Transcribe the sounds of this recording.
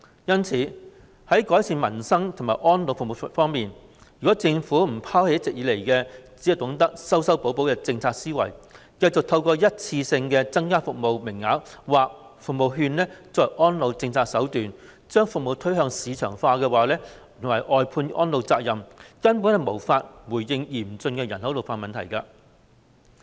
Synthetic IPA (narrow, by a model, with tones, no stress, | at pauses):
jɐ˥nt͡sʰiː˨˥ | hɐ˨˥jkɔː˨˥jsiː˨˧nmɐ˨˩nsɐ˥ŋt̪ʰʊ˨˩ŋmaː˨˩jʔɔː˥nlo˨˧wfk̚mo˨˧˩fɔː˥ŋmiː˨n | jy˨kɔː˨˥t͡sɪ˧ŋfuː˨˥m̩˨˩pʰaː˥whe˧jɐ˥tt͡sɪ˨k̚jiː˨˧le˨˩jkɛ˧t͡si˨˥ɐ˨˩wt̪ʊ˨˥ŋt̪ɐ˥k̚sɐ˥wsɐ˥wpo˨˥wpo˨˥wkɛ˧t͡sɪ˧ŋt͡sʰaː˧k̚siː˥wɐ̰˨˩j | kɐ˧jt͡sʊ˨k̚t̪ʰɐ˧wkɔː˧jɐ˥t̚t͡sʰiː˧sɪ˧ŋkɛː˧t͡sɐ˥ŋkaː˥fʊ˨k̚mo˨˧wmɪ˨˩ŋːaː˨˥kwaː˨˩k̚ | fʊ˨k̚mo˨wɦyː˧nlɛː˥t͡sɔː˨jʔɔː˥nlo˨˧wt͡sɪ˧ŋt͡sʰaː˧k̚sɐ˨˥wt̪yː˨n | t͡ʃœː˥ŋfʊ˨k̚mo˨˧wt̪ʰɵ˥ɥɦœː˧ŋsiː˨˧t͡ʃʰœ̰ː˨˩ŋfaː˧kɛː˧waː˨˥lɛː˥˨˩ | ŋwɐ˨˩jʔɔː˨˧jpʰuː˧nʔɔː˥nlo˨˧wt͡saː˧k̚jɐ˨mkɐ˥np̬uː˨˥nhɐ˨jmo˨˩wfaː˧t̚wuː˨˩jjɪ˧ŋjiː˨˩mt͡sɵ˧nkɛː˧jɐ˨˩nhɐ˨˥t̪o˨wfaː˧mɐ˨nt̪ʰɐ̰˨˩jka˧